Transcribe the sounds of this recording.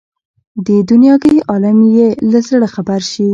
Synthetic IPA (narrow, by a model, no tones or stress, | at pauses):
d̪əd̪unjɑɡəjʔɑlamjelazəɽaxabaɾʃi